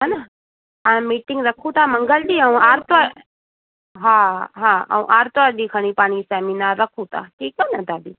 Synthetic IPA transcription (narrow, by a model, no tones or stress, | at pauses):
ɦana | amiːʈɪ̃ŋɡɾɐkʰũt̪amɐ̃ŋɡəld̪iːə̃aːɾt̪ʋa | ɦãːɦãːɐ̰ũʔaːɾt̪ʋad̪ikʰəɽ̃ipaːɽ̃isɛːminaːɾːɐkʰũt̪a̰ːʈʰiːkɛnɐd̪aːbiː